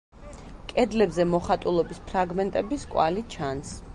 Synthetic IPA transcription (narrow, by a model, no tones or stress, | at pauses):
kʼɛd̪lɛbzɛmɔχat̪ʼulˠɔbispʰɾaɡmɛnt̪ʼɛbiskʼwa̰lit͡ʃʰans